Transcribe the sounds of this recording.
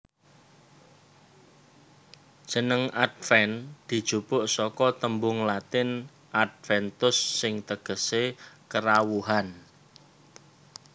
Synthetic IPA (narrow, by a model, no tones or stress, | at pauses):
d̥ʒ̥ə̤nəŋad̪̚fɛnd̪̥i̤d̥ʒ̥upʊʔsɔkɔt̪əmbʊŋlat̪ɪn | ad̪̚fɛnt̪ʊsːɪŋt̪əɡ̥ə̤sekəɾawuɦan